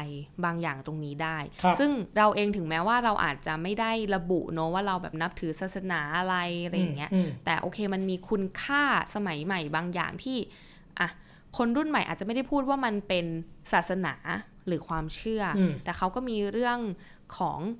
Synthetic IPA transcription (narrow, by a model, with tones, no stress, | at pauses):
jbaː˧ŋjaː˨˩ŋt̪o˧ŋniː˦˥daː˥˩jsɯ˥˩ŋɾa˧wʔeː˧ŋt̪ʰɯ˨˩˦ŋmɛː˦˥waː˥˩ɾa˧wʔa̰ː˨˩t̪̚t͡ɕa˨˩ma˥˩jda˥˩jɾa˧bṵ˨˩ʔnɔ˦˥waː˥˩ɾa˧wbɛː˨˩p̚na˦˥p̚t̪ʰɯː˨˩˦saː˨˩t̪̚sa˧naː˩˦ʔa˧ɾa˧jɾa˧jːa˨˩ŋːi˦˥ɐt̪ɛː˨˩ʔo̰ː˧kʰeː˧ma˧nmiː˧kʰu˧nkʰaː˥˩sa˧ma˩˦jma˨˩jbaː˧ŋja̰ː˨˩ŋt̪ʰiː˥˩ | ʔa˧˩ | kʰo˧nɾu˥˩nma˨˩jʔa̰˨˩a˨m˥˩da˥˩jpʰuː˥˩t̪̚waː˥˩ma˧npe˧nsaː˨˩t̪̚sa˧na̰ː˩˦ | ɾɯː˩˦kʰwaː˧mt͡ɕʰɯ˥˩ɐ˧t̪ɛː˨˩kʰa˦˥wkɔː˥˩miː˧ɾɯ˥˩əŋ | kʰɔ̰ː˩˦ŋ